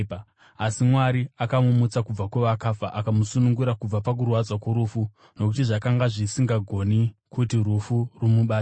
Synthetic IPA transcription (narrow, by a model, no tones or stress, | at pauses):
asimwaɾiakamumut͡sakub͡vakweʋakafaʔakamusunuŋɡuɾakub͡vapak̬urwad͡zwakoɾufu | no̞k̬utiʐakaŋɡaʐisiŋɡaɡʱo̞nikutirufurumuɓaː